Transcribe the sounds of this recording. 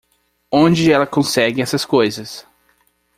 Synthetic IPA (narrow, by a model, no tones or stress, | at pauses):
õd͡ʒɪɛlɐkõsɛɡɪɛsɐskojzɐs